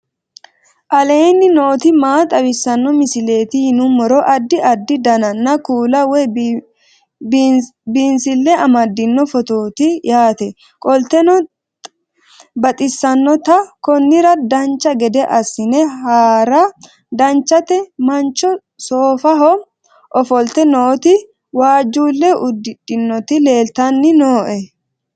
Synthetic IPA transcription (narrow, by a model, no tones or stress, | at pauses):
ʔɐle̞ːnːɪno̞ːt̪ɪmaːt̪ʼɐwɪsːɐnːɔmɪsɪle̞ːt̪ɪhɪnʊmɔɾɔʔɐd̪ːɪʔɐd̪ːɪd̪ɐnɐnːɐkuːlɐwɛ | bbiːnsɪlːɛɐmɐd̪ːɪnːɔfɔt̪oːt̪ɪjaːt̪ɛ | kʼɔlt̪ɛnɔ | bɐt̪ʼɪsːɐnːɔt̪ɐkɔnːɪɾɐd̪ɐnt͡ʃːɐɡɛd̪ɛʔɐsɪnɛɦaːɾɐ | d̪ɐnt͡ʃːɐt̪ɛmɐnt͡ʃːɔ | soːfɐɦɔ | ʔɔfɔlt̪ɛnoːt̪ɪ | waːd͡ʒːuːlːɛʔʊd̪ːɪᶑɪnːɔt̪ɪleːlt̪ɐnːɪnoːʔɛ